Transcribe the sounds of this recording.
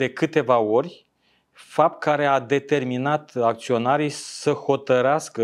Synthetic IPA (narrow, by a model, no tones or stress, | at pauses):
e̞kɨt̪e̞vao̞ɾʲ | fap̚t̪̚kaɾe̞ad̪e̞t̪e̞rminat̪ak̚t̪sio̞naɾijsəho̞t̪əɾeaskə